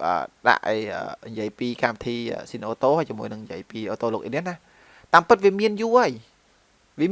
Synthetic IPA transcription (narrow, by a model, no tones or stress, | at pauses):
ʔə̰ːɗa̰ʔəːʔə̰ːnjiəjpiːkamʋit̪ʰiːʔə̰ːsiːnʔoːt̪oːhajt͡ɕiəmuəjnɨŋnjḭəjpiːʔoːt̪oːloːkʔḭːniəna | t̪aːmpɨt̪̚ʋiəmiənjuəʔəəj | ʋiə